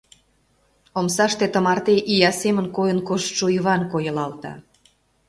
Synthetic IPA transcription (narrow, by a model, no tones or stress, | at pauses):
omsɑʃt̪et̪ə̆mɑrt̪eʔijɑsemə̆nkojə̆nkoʃt̪ʃujβɑnkojə̆lɑlt̪ɑ̰